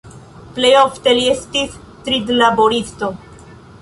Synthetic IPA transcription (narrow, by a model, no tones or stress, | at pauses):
plejoft̪eliest̪is | t̪ɾid̪laboɾist̪o